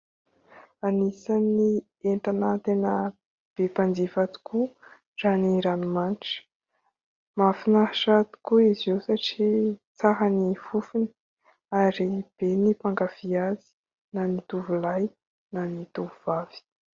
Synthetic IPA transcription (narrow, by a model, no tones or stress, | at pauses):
anisani | eɳʈanət̪enə | b̥epand͡zifat̪u̥kʰu | raniɾanumanʈ͡ʂə̥ | mafinaʂat̪u̥kuizewsaʈ͡ʂit͡saɦanifufinə̥ | aɾib̥enipaŋɡav̥iazi̥ | nanit̪uvulaj | nanit̪uvuvav̥i̥